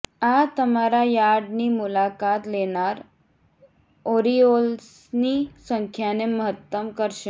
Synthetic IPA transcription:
at̪əmaɾajaɽniːmulakat̪lenaɾ | oɾiols | nisəŋkʰjaneməɦət̪ːəmkəɾʃe

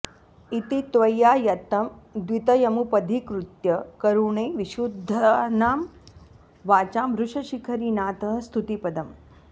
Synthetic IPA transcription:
it̪it̪ʋɐjːaːjɐt̪ɐmd̪ʋit̪ɐjɐmupɐd̪ʱikɾut̪jɐkɐɾuːɳeːʋiʃud̪ʱːɐnaːm | ʋaːt͡ʃaːmɦɾuʂɐʃikʰɐɾiːnaːt̪ɐɦst̪ʰut̪ipɐd̪ɐm

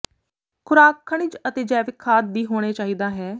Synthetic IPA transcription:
kʰʊɾaːkʰːəɳ̃ɪt͡ʃət̪eːd͡ʒɛːʋɪkʰːaːt̪̚d̪iːɦoːɽ̃eːt͡ʃaːɦiːd̪aːɦɛː

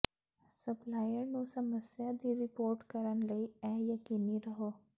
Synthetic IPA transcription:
sɐplaːjəɾnũsɐməsjad̪iɾɪpoːɾʈkɐɾənlɐiɛːjɐkiːniɾɐɦoː

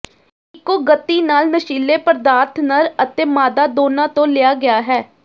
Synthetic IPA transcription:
ɪkːoːɡət̪ːiːnaːlnəʃiːleːpəɾd̪aːɾt̪ʰnəɾət̪eːmaːd̪aːd̪oːnãːt̪õːlɪaːɡɪaːɦɛː

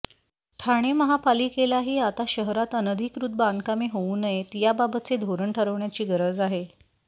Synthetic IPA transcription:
ʈʰaɽ̃eməɦapalikelaɦiːat̪aɕəɦɾat̪ənəd̪ʱikɾut̪̚band̪kamiɦouːnəjet̪jababət̪t͡sed̪ʱoɾəɳʈʰəɾəʋɳjat͡ɕiːɡəɾəd͡zaɦe

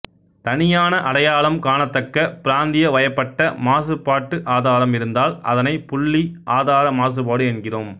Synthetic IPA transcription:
t̪ɐnɪjaːnɐʔɐɽɐjaːlɐmkaːnɐt̪ːɐkːɐpɪɾaːnd̪ɪjɐʋɐjɐpːɐʈːɐmaːsɯpːaːʈːɯʔaːðaːɾɐmɪɾɯnd̪aːlɐ̰ðɐnɐɪpʊɭːiʔaːðaːɾɐmaːs̬ɯpaːɽɯɛnɡɪroːm

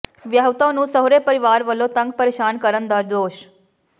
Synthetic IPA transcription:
ʋjaɦʋt̪ãnũsəɦoɾepəɾiʋaɾʋəlot̪əŋɡ̚pəɾeʃankəɾənd̪aɾd̪oːʃ

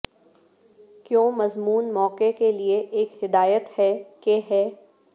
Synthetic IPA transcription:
kjõːmɐzmuːnmɔːqekelieʔeːkhɪd̪aːjət̪hɛkeɦɛː

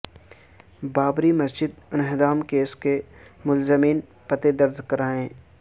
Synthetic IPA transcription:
baːbɾimɐsd͡ʒɪd̪̚ɪnɦɪd̪aːmkeːskemʊlzəmiːn | pɐt̪ed̪ɐɾzkɐɾaːɦẽː

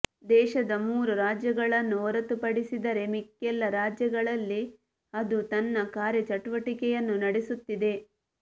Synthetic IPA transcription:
d̪ɛːʃɐd̪ɐmuːɾuɾaːd͡ʒjɐɡɐɭɐnːuɔɾɐt̪upɐɽisid̪ɐɾe̞mikːɛlːɐɾaːd͡ʒjɐɡɐɭɐlːi | ɐd̪ut̪ɐnːɐkaːɾjɐt͡ʃɐʈuʋɐʈikɛjɐnːunɐɽisut̪ːid̪e̞

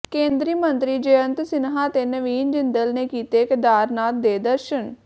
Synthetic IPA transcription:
kẽːnd̪ɾiːmənt̪ɾiːd͡ʒeːənt̪sɪnɦaːt̪eːnəʋiːnd͡ʒɪnd̪əlneːkiːt̪eːkd̪aːɾnaːt̪̚d̪eːd̪əɾʃən

